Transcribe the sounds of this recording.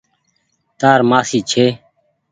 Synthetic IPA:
t̪aːɾmaːsiːt͡ʃʰeː

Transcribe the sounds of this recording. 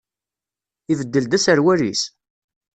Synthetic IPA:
ivəd̪ːəld̪æsəɾwæɾis

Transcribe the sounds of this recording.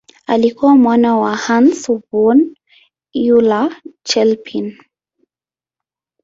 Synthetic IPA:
alikuamwanawahansubɔn | julat͡ʃɛlpʰin

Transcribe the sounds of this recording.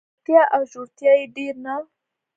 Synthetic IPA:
tiaʔaʒutiaidiɾna

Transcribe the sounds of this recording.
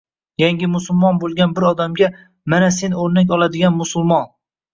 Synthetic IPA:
jaŋɡʲɪmʊsʊlˠmɒnbolˠɡʲanbɪɾɒd̪amɡʲa | manase̞noɾnak̬ʲɒlˠad̪ɪɡʲanmʊsʊlˠmɒn

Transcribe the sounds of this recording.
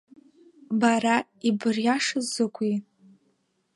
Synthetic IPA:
baɾa | ibɨrjaʂɨzokʷʰi

